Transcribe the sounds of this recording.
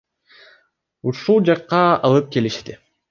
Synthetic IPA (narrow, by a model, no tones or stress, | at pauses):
uʃulˠd͡ʒɑqːɑɑlˠɯp̚ke̞liʃt̪ɪ